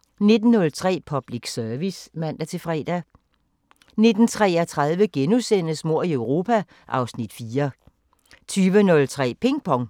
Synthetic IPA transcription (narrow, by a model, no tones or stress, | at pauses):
ne̝d̥n̩ːɔ̽lt͡sʰʁɛ̰ːpʰɒ̽b̥liɡ̥sœɐʋismæn̰d̥æt͡sʰe̝fʁɛ̰ːd̥æ | ne̝d̥n̩t͡sʰʁɛːɐt͡sʰʁɑð̞ˠʋəɡ̥enusen̰əsmo̝ɐ̰iœʊʁo̝ːpʰæ | ʔɑ̈ʊsnid̥fiːɐ | t͡sʰyːʋənɔ̽lt͡sʰʁɛ̰ːpʰe̝ŋɡ̥̚pʰɒ̽ŋ